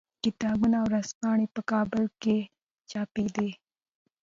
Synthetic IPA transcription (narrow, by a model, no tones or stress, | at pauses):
kɪt̪ɑːbunawɾaspɑɳepəkɑbɪlke | t͡ʃɑped̪e